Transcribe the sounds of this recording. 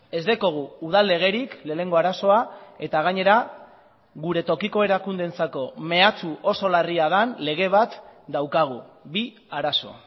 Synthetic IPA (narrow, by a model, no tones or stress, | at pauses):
e̞zd̪eko̞ɣ̞uːð̞alːe̞ɣ̞e̞ɾikle̞ːne̞ŋɡo̞aɾaso̞ae̞t̪aɣ̞aɲe̞ɾa | ɣuɾe̞t̪o̞kiko̞e̞ɾakund̪e̞nt͡sako̞me̞at͡suʔo̞so̞lariaðanle̞ɣ̞e̞β̞at̪d̪awkaɣ̞uβi | aɾaso̞̰